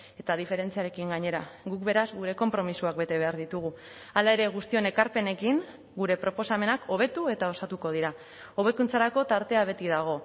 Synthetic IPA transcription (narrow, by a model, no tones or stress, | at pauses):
e̞t̪aðife̞ɾe̞nt͡siaɾe̞kiŋɡaɲe̞ɾaɣuk̚be̞ɾazɣuɾe̞ko̞mpɾo̞misuak̚be̞t̪e̞βe̞aɾðit̪uɣ̞u | alae̞ɾe̞ɣust̪io̞ne̞kaɾpe̞ne̞kiŋ | ɡuɾe̞pɾo̞po̞same̞nakʰo̞β̞e̞t̪ue̞t̪ao̞sat̪uko̞ðiɾa | o̞βe̞kunt͡saɾako̞t̪aɾt̪e̞aβ̞e̞t̪iðaɣ̞o̞